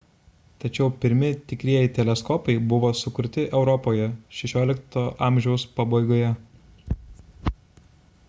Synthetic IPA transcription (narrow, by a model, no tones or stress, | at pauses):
t̪ɐt͡ʃʲɛʊpʲɪɾʲmʲɪt̪ʲɪkɾʲiɛjɪt̪ʲɛlʲɛskɔpɐɪbʊʋoːsʊkʊɾʲt̪ʲɪʔɛʊɾɔpoːjɛʃʲɛʃʲoːlʲɪkt̪oːʔɑːˑmʲʒʲɛʊspɑbɐɪɡoːjɛ